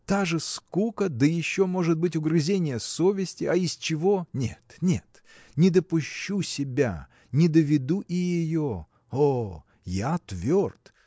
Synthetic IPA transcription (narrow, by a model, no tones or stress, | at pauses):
t̪aʐɨskukəd̪əjɪɕːo̞mo̞ʐɨt̪̚bɨtʲʊɡɾɨzʲenʲɪjəso̞vʲɪsʲtʲɪɐɪst͡ɕɪvo̞nʲḛt̪nʲet̪ | nʲɪd̪əpʊɕːusʲɪbʲa̰ | nʲɪd̪əvʲɪd̪uʔɪjɪjo | o | jat̪vʲort̪